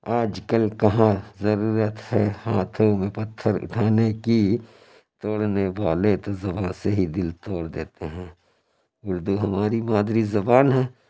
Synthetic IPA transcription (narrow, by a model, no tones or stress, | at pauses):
aːd͡ʒkəlkɐɦãzɐɾuːɾət̪hɛːhaːt̪ʰõmẽpɐt̪ʰːəɾʊ̰ʈʰaːneki | t̪oːɽneʋaːlet̪ozɐbaːnseɦid̪ɪlt̪oːɽd̪eːt̪eɦɛ̃ː | ʊɾd̪uɦɐmaːɾimaːd̪ɾizɐbaːnɦɛ̃ː